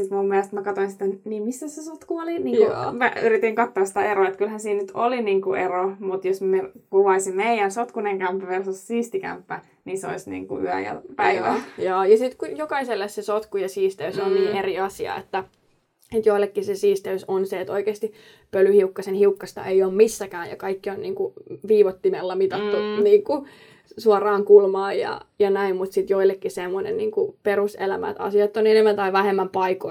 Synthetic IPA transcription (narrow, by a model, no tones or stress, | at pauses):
sit̪mumːiælest̪mækɑt̪oinsit̪æniːmisːæsesot̪kuoliniːŋkṵmæyɾit̪iŋkɑt̪ːoɑssi̥t̪æeɾoːet̪kylhænsiːnnyt̪ʰoliniːŋkuʔeromut̪josmekuʋɑisimmeijænsot̪kuneŋkæmpːyʋersussiːst̪ikæ̰mpːæ | niseo̰isnḭːŋkṵy̰æ̰jæ̰pæiʋæ̰jɑːjɑsit̪kujokɑiselːessesot̪kujɑsiːst̪eysonniːʔeriɑsiɑ̰ḛt̪ːæ | et̪joilːekːisesiːst̪eysonseet̪oikeːst̪i | pølyhiukːɑsenhiukːɑst̪ɑ̰ʔeioːmmisːækæːnjɑ̰kɑikːionniːŋkuʋiːʋot̪ːimelːɑmit̪ɑt̪ːuniːŋku | suɑrˑɑːŋkulmɑːjɑ̰jɑnæimmut̪sit̪joilːˑekːisemːonḛnniːŋkupeɾusḛlæmæ̰t̪ɑ̰siɑt̪ːonenemːænt̪ɑiʋæhemːæmpɑiko